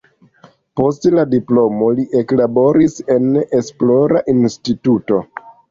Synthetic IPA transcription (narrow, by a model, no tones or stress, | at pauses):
po̞stladiplo̞mo̞liʔeklabo̞ɾise̞ne̞splo̞ɾaʔinstituto̞